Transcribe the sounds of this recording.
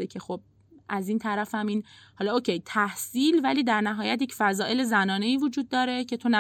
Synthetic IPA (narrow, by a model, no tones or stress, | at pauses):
ecʰe̞xo̞b̥̚ | ʔæziːnt̪ʰæɾæfæmiːnhɒːlɒocʰe̞jt̪ʰæhsiːlvæliːd̪æɾnæɦɒːjæt̪jecʰfæzɒːʔe̞le̞zænɒːne̞iːvod͡ʒuːd̪̚ːɒːɾe̞cʰe̞t̪ʰonæ